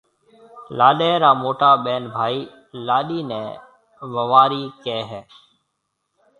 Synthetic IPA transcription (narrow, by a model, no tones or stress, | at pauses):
laːɗɛːɾaːmoːʈaːɓɛːnbʱaːiː | laːɗiːnɛ̃ː | ʋəʋaːɾiːkɛːɦɛː